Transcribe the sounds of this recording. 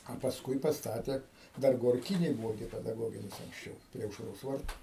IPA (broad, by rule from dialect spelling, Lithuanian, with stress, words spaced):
ɐ pɐsˈkʊɪ pɐsˈtɑːtʲeː ˈdɐr ɡoːrʲˈkʲiːnʲeːj ˈbʊʋoː ɡʲɪ pʲɛdɐˈɡoːɡʲɪnʲɪs ɐŋksʲˈt͡ʃʲɛʊ pʲrʲiɛ ɐʊʃˈroːs ˈʋɐrtʊ